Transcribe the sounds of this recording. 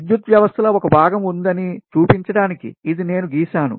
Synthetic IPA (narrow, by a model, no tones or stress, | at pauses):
d̪jut̪ʋjɐʋɐst̪ʰɐlɐɔkɐbʱaːɡɐmund̪ɐnit͡ʃuːpiɲt͡ʃɐɽaːnikḭːd̪ine̞ːnuɡiːʃaːnṵ